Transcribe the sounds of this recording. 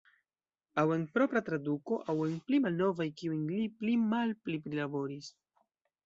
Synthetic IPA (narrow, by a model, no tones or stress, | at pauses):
awe̞npɾo̞pɾatɾaduko̞ʔawe̞nplimalno̞vajkiujliplimalplipɾilabo̞ɾis